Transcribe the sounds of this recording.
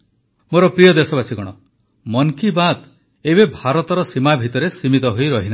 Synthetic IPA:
moɾɔpɾijɔd̪esɔbasiɡɔɽ̃ɔ | mɔŋkibad̪ | ebebʱaɾɔt̪ɔɾɔsimabʱit̪ɔɾesimit̪ɔɦojɾɔɦina

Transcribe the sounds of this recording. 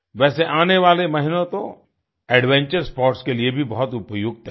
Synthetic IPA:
ʋɛːseʔaːneʋaːlemɐɦɪnõt̪o | ɛːɖʋɛ̃ːɲt͡ʃəɾspɔːɾʈskeliebʱibɐɦʊt̪ʊpjʊɡ̚t̪ʰɛː

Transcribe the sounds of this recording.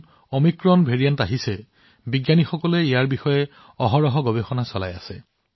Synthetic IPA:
ɔmikɹɔnbʱeɹijantaɦisɛ | biɡjanixɔkɔlɛijaɹbixɔjɛ | ɔɦɔɹɔɦɔɡɔbexɔnasɔla̰ja̰sɛ

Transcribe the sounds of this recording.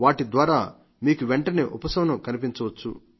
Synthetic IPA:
ʋaːʈid̪ʋaːɾaː | miːkuʋeɳʈɐneːʔupɐsɐʋɐnukɐnipiɲt͡ʃɐʋɐt͡ʃːṵ

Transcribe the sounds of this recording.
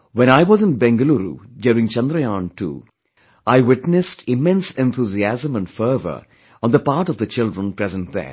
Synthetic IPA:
wɛ̃ñaɪʋɔzɪ̃nbɛ̃ŋɡəluɾṵd͡ʒɛɾɪ̃ŋt͡ʃʌ̃nd̪ɾəjãːnʈṵː | aɪwɪʈnɨsʈʰɪmɛ̃nsɛ̃nt̪ʰuziæzə̃mə̃nfəːvə̰˞ | ɔ̃nd̪əpaːɾʈɔvd̪ət͡ʃɪldɹə̃npɾɛzə̃nt̚ðɛ̰

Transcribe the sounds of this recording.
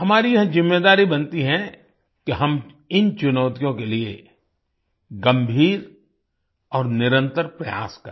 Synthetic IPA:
hɐmaːɾijɐɦzɪmːeːd̪aːɾibɐ̃nt̪iɦɛ̃ | kiɦɐm | ɪnt͡ʃʊnɔːt̪ijõkelie | ɡɐ̃mbʱiːɾ | ɔːɾnɪɾə̃nt̪əɾpɾɐja̰ːskɐɾ

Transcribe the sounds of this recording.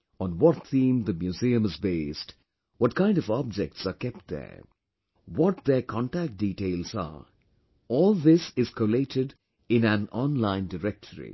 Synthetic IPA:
ɔ̃nwɔt̪θĩːmd̪əmjuziə̃mɪzbeːst | wɔʈ̚kʰãɪ̃ndʌvɔb̚d͡ʒɛk̚tsakɛp̚ʈ̚d̪ɛ̰ɹ | wɔʈ̚d̪ɛɾkʰɔ̃nʈæk̚ʈ̚diːʈeɪlsa̰ | ɔːlˠd̪ɪsɪz̥kʰoleʈʰɪɖ | ɪ̃næ̃nɔ̃nlãɪ̃ndəɾɛk̚ʈʰəɾḭ

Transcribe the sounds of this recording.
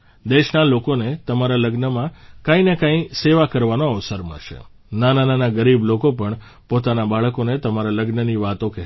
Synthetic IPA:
d̪eʃnalokonet̪əmaɾaləɡnəmãkãĩnekãĩseʋakəɾʋanoəʋsəɾmə̰ʃḛ | nanananaɡəɾiblokopəɳ | pot̪anabaɭəkonet̪əmaɾaləɡnəniʋat̪õkɛɦ

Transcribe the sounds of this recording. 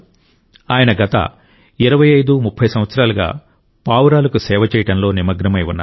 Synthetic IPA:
aːjɐnɐɡɐt̪ɐ̰ | iɾɐʋɐjɐjd̪umupʰːɐjsɐmʋɐt̪sɐɾaːlɐɡa̰ː | paːʋɾaːlɐkusɛːʋɐt͡ʃɛːjɐɽɐnlo̞ːnimɐɡɾɐmɐjunːa̰ː

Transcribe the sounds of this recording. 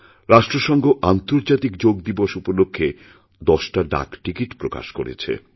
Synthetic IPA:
ɾaʃʈɾoʃɔŋɡʱoʔant̪oɾd͡ʑat̪ikd͡ʑoɡ̚d̪iboʃupolokʰːe | d̪ɔʃʈaɖa̰kʈikiʈpɾoka̰ʃko̰ɾḛt͡ɕʰḛ

